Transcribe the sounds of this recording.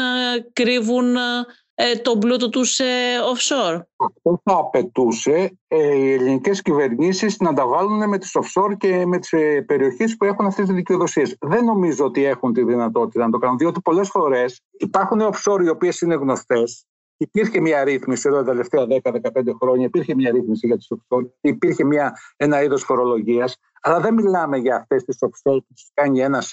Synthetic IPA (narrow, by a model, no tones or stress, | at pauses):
kɾivun | t̪o̞blut̪ot̪useofsoɾɐft̪o̞θɐːpe̞t̪use̞ie̞linice̞scive̞ɾɲisiznɐnd̪ɐvɐluneme̞t̪i̥sofso̞ɾce̞me̞t̪i̥spe̞ɾio̞çespue̞xunɐft̪est̪izðiceoðo̞sie̞sðe̞nːo̞mizoot̪ie̞xunt̪iðinɐt̪o̞t̪it̪ɐnɐt̪o̞kɐnunðio̞t̪ipo̞le̞sfo̞ɾe̞s | ipɐɾxuneofso̞ɾio̞pie̞sine̞ɣno̞st̪e̞s | ipiɾçe̞mɲɐɾiθmisioðot̪ɐt̪ele̞ft̪eɐðe̞kɐðekɐpend̪exɾo̞ɲɐipiɾçe̞mɲɐɾiθmisiʝɐt̪i̥sofso̞ɾɐt̪iːpiɾçe̞mɲɐe̞nɐiðo̞sfo̞ɾo̞lo̞ʝiɐs | ɐlɐðemilɐme̞ʝɐːft̪e̞st̪isofso̞ɾput̪u̥skɐɲie̞nɐs